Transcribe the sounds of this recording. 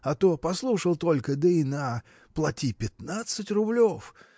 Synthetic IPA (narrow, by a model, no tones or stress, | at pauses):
ɐt̪opɐslˠuʂəlˠt̪o̞lʲkəd̪əinə | plˠɐtʲipʲɪt̪nat̪sɨtʲrʊblʲof